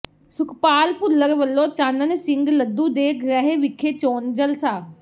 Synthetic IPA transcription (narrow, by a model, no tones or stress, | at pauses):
sʊkʰpaːlpʊlːəɾʋəlːõːt͡ʃaːnənsɪ̃ŋɡləd̪ːuːd̪eːkʰɾəɦeːʋɪkʰːeːt͡ʃoːnd͡ʒəlsaː